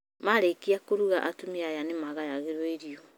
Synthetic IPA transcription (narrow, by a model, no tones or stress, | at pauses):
maɾekiakoɾuɣaʔatumiajanemaɣajaɣeɾwɔeɾiɔ